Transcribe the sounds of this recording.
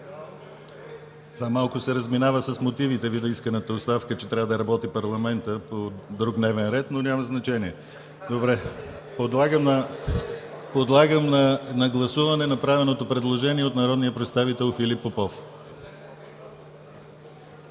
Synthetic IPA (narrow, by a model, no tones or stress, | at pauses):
t̪ovamalˠkʊsɛɾəzminavəsəsmot̪ivit̪ɛvid̪ɐiskənət̪əost̪afkət͡ʃɛt̪ɾʲavəd̪ɐɾɐbɔt̪ipɐɾlˠɐmɛnt̪əpod̪ɾuknɛvɛnɾɛt̪nonʲaməznɐt͡ʃɛniɛ | d̪obɾɛ | pod̪lˠaɡəmnə | pod̪lˠaɡəmnɐnɐɡlˠɐsuvɐnɛnɐpɾavɛnot̪opɾɛd̪lˠoʒɛniɛot̪nɐɾɔd̪nijəpɾɛt̪st̪avit̪ɛlˠfilipːopɔf